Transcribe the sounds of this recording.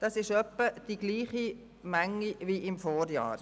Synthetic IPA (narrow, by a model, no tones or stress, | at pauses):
d̥ɑsɪʃœpːəd̥iɡ̥liːχi | mæŋːiviɪmfoːɾjɑ̰ːɾ